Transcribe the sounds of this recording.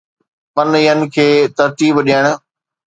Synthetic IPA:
pɐniːən̆kʰeːt̪ɐɾt̪iːbɗiəɽ̃

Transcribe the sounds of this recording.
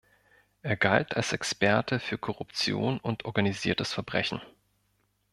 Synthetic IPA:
ʔeːɐɡaltʰalsɛkspɛɐtʰəfyːɐkʰɔʁʊpt͡sjo̰ːnʊntʔɔɐɡaniziːɐtəsfɛɐbʁɛçn̩

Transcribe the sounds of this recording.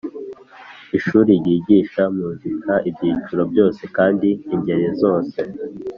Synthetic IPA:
iʃuːɾiɟiːɟiːʃamuːzikʰaʔibɟiːt͡ʃuɾo̞bjo̞ːse̞kaːndiːɲɟe̞ɾezo̞ːse̞

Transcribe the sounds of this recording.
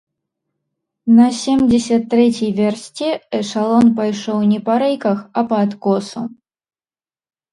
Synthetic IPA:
nɐsʲemd͡zʲesʲɐt̪ːɾɛt͡sʲijvʲersʲt͡sʲiɛʂalˠɔnpajʂɔwnʲɛpaɾɛjkɐxɐpɐːt̪kɔsṵ

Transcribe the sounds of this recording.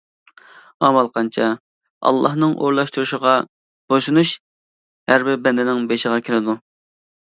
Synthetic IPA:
ɑmɑlˠqʰɑnt͡ʃʰɑ | ɑ̰lˠːɑhnɨŋʔo̰ɾlˠɑʃt̪uɾuʃəʁɑ | b̥oʃunuʃ | hæɾbɪbɛnd̪ɪnɪŋbeʃəʁɑkʲʰelɪd̪u

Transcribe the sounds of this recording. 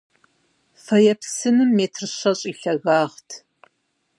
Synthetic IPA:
fɐjɛpsɨnɨmːeːtʰrɨɕɐɕʼiːɬɐɣaːʁtʰ

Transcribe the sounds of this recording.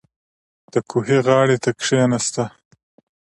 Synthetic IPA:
d̪̥əkʰuɦeɣɑːɽet̪akʂenast̪a

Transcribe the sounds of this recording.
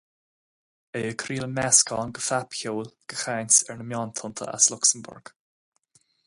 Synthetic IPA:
eəkʰɾiːləmɛskʰɔːnɡəfapçoːlɡ̥əxajnsɛɹnəmjɔːnt̪ʰʊnt̪ʰə̰ʔa̰slʊksənbʊ̰ɹɡ̥

